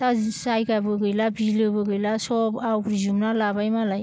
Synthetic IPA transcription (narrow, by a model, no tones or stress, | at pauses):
tasajɡabɯɡɯjlabilɯbɯɡɯjlasɔbawkɾizumnalabajmalaj